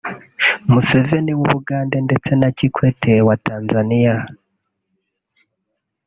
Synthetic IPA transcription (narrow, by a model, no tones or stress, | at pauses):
muse̞ve̞niwuβuɡaːnde̞nde̞t͡se̞nacikwe̞tʰewatʰaːnzanija